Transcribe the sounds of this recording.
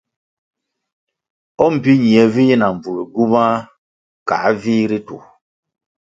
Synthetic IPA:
ɔ˦m̩˨pi˦ɲi˨ɛ˨viː˦na˨ɱ˨b͡vu˨ɾi˨ɡu˦ma˦ | ka̰˨˦viː˦ɾi˦tṵ˨

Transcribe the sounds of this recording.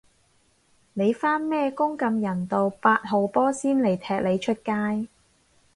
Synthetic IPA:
ne˨˧jfaː˥nmɛː˥kʊ˥ŋkɐ˧mjɐ˨˩nt̪o˨˧wpaː˧t̚ɦo˨˧wpɔː˥siː˥nle˨˩jt̪ʰɛː˧k̚le˨˧jt͡ʃʰɵ˥t̚kaː˥j

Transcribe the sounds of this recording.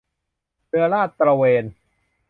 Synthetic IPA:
ɾɯ˧ɐɾaː˥˩t̪̚ːɾa˧weː˧n

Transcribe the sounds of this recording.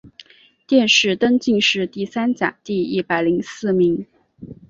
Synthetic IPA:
t̪jɛ˥˧nʂɻ̩˥˩t̪ə˥ŋt͡ɕi˥˧ŋʂɻ̩˥˧t̪i˥˩sa˥nt͡ɕja̰˨˩˦ŋt̪i˥˧i˥˩pa˨˩ɪli˧˥ŋsɹ̩˥˩mi˧˥ŋ

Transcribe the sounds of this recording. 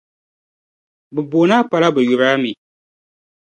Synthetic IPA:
bɨ˨bo˨˦na˦pa˨la˦bɨ˨ju˨ɾaː˦mi˨

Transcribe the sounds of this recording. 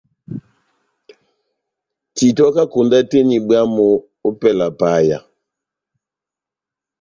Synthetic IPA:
ti˨tɔ˦ka˦ku˨nda˦te˦ni˨bwa˦mɔː˨˦ | pɛ˨la˨pa˨˦ja̰˨

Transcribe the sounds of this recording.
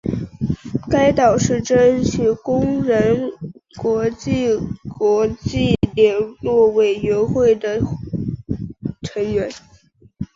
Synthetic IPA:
ka˥ɪt̪ɑ˨˩ʊʂɻ̩˥˩ʈ͡ʂə˥nɕʰy˧˥kʊ˥ŋɻə˧˥nkwɔ˧˥t͡ɕi˥˩kwɔ˧˥t͡ɕi˥˩ljɛ˨˩nlwɔ˥˩we˨˩ɪɥɛ˧˥nxwe˥˩ɪd̪ə˩ | ʈ͡ʂʰə˧˥ŋɥɛ˧˥n

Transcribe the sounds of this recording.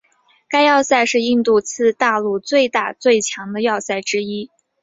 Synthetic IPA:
ka˥ɪjɑ˥˧ʊsa˥˧ɪʂɻ̩˥˧i˥˧nt̪u˥˧t͡sʰɹ̩˥˧t̪a˥˧lu˥˧t͡swe˥˧ɪt̪a˥˧t͡swe˥˩ɪt͡ɕʰjɑ˧˥ŋd̪ə˧jɑ˥˧ʊsa˥˩ɪʈ͡ʂɻ̩˥i˥

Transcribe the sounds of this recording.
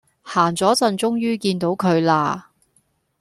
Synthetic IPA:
haː˨˩ŋt͡sɔː˨˥t͡sɐ˧nt͡sʊ˥ŋjyː˥kiː˧nt̪o˨˥wkʰɵ˨˧ɥlaː˧

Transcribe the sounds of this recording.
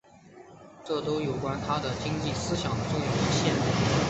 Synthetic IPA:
ʈ͡ʂɤ˥˩t̪o˥ʊjo˨˩ʊkwa˥nt̪ʰa˥d̪ə˨t͡ɕi˥ŋt͡ɕi˥˩sɹ̩˥ɕjɑ˨˩ŋd̪ə˦ʈ͡ʂʊ˥˧ŋjɑ˥˩ʊʈ͡ʂi˥ɕjɛ˥nə˥˩˦

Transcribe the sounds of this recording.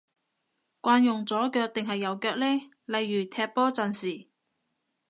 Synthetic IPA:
kʷaː˧njʊ˨ŋt͡sɔː˨˥kœː˧k̚t̪ɪ˨ŋɦɐ˨jːɐ˨˩wkœː˧k̚lɛː˥ | lɐ˨jːyː˨˩t̪ʰɛː˧p̚pːɔː˥t͡sɐ˨nsiː˨˩

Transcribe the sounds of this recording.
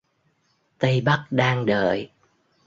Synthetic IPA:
t̪ə˧jɓa˦˥k̚ɗaː˧ŋɗə̰ː˨j

